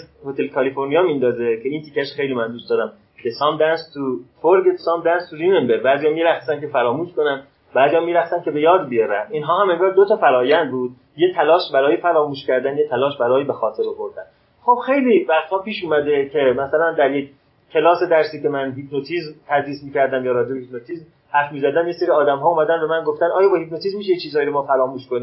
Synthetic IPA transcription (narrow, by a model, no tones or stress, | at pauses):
zhot̪e̞lkʰɒlifo̞ɾnijɒːmind̪ɒːze̞cʰe̞iːnt̪ʰikʰːæʃxe̞jliːmænd̪ustd̪ɒːɾæm | cʰesɒːmd̪ænst̪ʰufoɾɡet̪ʰusɒːmd̪ænst̪ʰuɾinembebæːzijɒːmiɾæxsænkʰe̞fæɾɒːmuːʃko̞næn | bæːzijɒːmiɾæxsæn̚cʰe̞be̞jɒːd̪bijɒɾæniːnɦɒːɦæmeŋɡɒːɾd̪ot̪ʰɒːfæɾɒːjænd̪̚buːd̪̚ | jet̪ʰælɒːʃbæɾɒːjefæɾɒːmuːʃcʲæɾd̪ænjet̪ʰælɒːʃbæɾɒːjiːbe̞xɒːt̪ʰe̞ɾoboɾd̪æn | χo̞b̥xe̞jliːvæxt̪hɒːpʰiːʃuːmæd̪e̞kʰe̞mæsælænd̪æɾjek | cʰːe̞lɒːsed̪æɾsiːke̞mænɦipʰnot̪ʰiːzmt̪ʰæd̪ɾiːsmiːcæɾd̪æmjɒːɾɒːd͡ʒebehip̚not̪ʰiːzm | hæɾfmiːzæd̪ænjeseɾiːɒːd̪æmɦɒːuːmæd̪ænbe̞mænɡoft̪ænɒːjɒːbɒhipnot̪iːzmiːʃ̬ejet͡ʃʰiːzhɒːjiɾomɒːfæɾɒːmuːʃkoniː